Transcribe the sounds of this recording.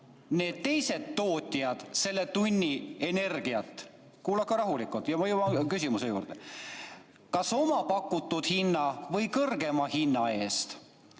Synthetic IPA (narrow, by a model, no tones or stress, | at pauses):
ne̞ːd̪̥̚t̪e̞jse̞d̪ːo̞ːt̪ʲːiɑd̪̥se̞lːe̞t̪unʲːie̞ne̞rɡiɑt̪ːˑ | kuːlɑkːɑɾɑɦulikːˑult̪ːˑjɑmɑjubɑkysʲimuse̞jṵːɾd̪̥e | kɑso̞mɑpɑkːˑut̪ːˑud̪̥hinːɑvɤjkɤrɡe̞mɑhinːɑe̞ːst̪